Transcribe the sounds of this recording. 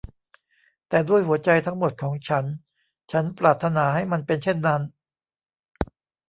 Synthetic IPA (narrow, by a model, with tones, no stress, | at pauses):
t̪ɛː˨˩du˥˩əjhu˩˦ɐt͡ɕa˧jt̪ʰa˦˥ŋmo˨˩t̪̚kʰɔː˩˦ŋt͡ɕʰa˦˥n | t͡ɕʰa˦˥npɾaː˨˩t̪ʰːa˧naː˩˦ɦa˥˩jma˧npe˧nt͡ɕʰe˥˩nːa˦˥n